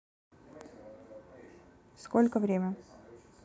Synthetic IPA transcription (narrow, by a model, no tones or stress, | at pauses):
skɔlʲkɔʋɾʲeːmɛ